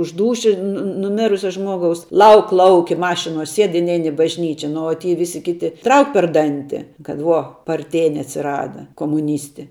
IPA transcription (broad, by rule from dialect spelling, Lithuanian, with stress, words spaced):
ʊʃ ˈduːʃʲɪ nʊ nʊˈmʲɪrʊsʲɛ ˈʒmuɔɡɐʊs ˈlˠɐʊk ˈlˠɐʊkʲɪ ˈmɑːʃʲɪnuɔ ˈsʲiɛt ɪ ˈnʲɛɪn ɪ bɐʒʲˈnʲiːt͡ʃʲɛ ˈnʊ oː tʲiː ˈʋʲɪsʲɪ ˈkʲɪtʲɪ ˈtrɐʊk pʲɛr ˈdɐnʲtʲɪ kɐt ˈʋuɔ pɐrʲˈtʲeːnʲɪ ɐtʲsʲɪˈrɑːdɐ koːmʊˈnʲiːsʲtʲɪ